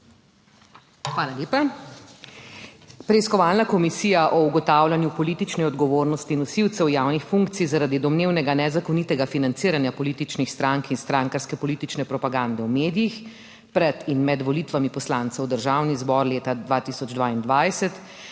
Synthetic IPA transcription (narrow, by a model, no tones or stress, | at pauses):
xʋaːlaleːpa | pɾɛiskɔʋaːlnakɔmisiːjaʔɔuɡɔt̪aːwlʲanjupɔlit̪it͡ʃnɛɔd̪ɡɔʋoːɾnɔst̪iːnusiwt̪sɛwjawnixfuŋk̚t̪sizaɾaːd̪id̪ɔmneːwnɛɡanɛzakɔnit̪ɛɡafinant̪siːɾanjapɔliːt̪it͡ʃnixst̪ɾaŋkinst̪ɾaŋkaɾskɛpɔliːt̪it͡ʃnɛpɾɔpaɡand̪ɛwmeːd̪ijix | pɾɛt̪inmɛd̪ʋɔliːt̪ʋamipɔslaːnt̪sɛwd̪əɾʒawnizbɔɾleːt̪ad̪ʋat̪isɔd͡ʒd̪ʋaind̪ʋajsɛt̪